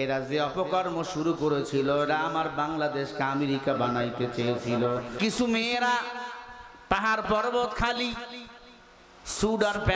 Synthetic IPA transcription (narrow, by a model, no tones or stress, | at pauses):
eɾad͡ʑeɔpokɔɾmoʃuɾukoɾet͡ɕʰiloeʈaamaɾbaŋlad̪eʃkeameɾikabanajt̪et͡ɕeet͡ɕʰilokit͡ɕʰumeɾa | paɦaɾpɔɾbot̪kʰali | suɖaɾpɛ